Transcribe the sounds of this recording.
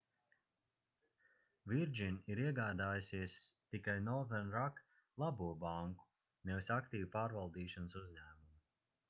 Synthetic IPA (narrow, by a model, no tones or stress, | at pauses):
viɾd͡ʒinʲiɾiɛɡaːd̪aːjusiɛst̪ikajnɔɾðɛɾnɾak | lˠabuɔbaŋku̥ | nɛvisakt̪iːvupaːɾvalˠd̪iːʃansuzʲɲæːmumu